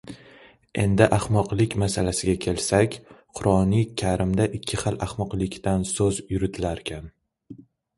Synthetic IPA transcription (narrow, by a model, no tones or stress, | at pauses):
e̞̰nd̪ɪʔaχmɒqlˠɪkʲmasalasɪɡʲakʲʰe̞lsakʲqʰʊɾɒnijkʲʰaɾɪmd̪aʔɪkʲʰːɪχalaχmɒqlˠɪkʲt̪ansɵzjʊɾɪt̪ʰɪlaɾkʲʰan